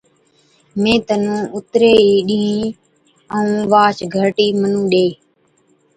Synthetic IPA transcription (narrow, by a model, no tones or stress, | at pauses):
mẽːt̪ənũːʊt̪ɾeːiːɗĩɦĩː | əũːʋaːt͡ʃɡʱəʈiːmənũːɗeː